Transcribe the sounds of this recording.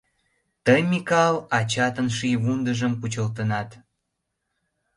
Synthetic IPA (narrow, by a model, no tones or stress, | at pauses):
t̪əjmikɑlɑt͡ɕɑt̪ənʃijβund̪əʒəmput͡ɕəlt̪ənɑt̪